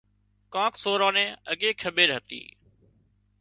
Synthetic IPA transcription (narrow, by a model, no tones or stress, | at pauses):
kãːkʰsoːɾãːnẽːəɠeːkʰəɓeːɾɦət̪ḭː